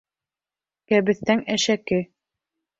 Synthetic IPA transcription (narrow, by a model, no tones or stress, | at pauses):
kæβɘ̆θt̪æŋæʃækɘ